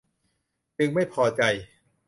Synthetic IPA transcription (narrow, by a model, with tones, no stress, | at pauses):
t͡ɕɯ˧ŋma˥˩jpʰɔː˧t͡ɕa˧j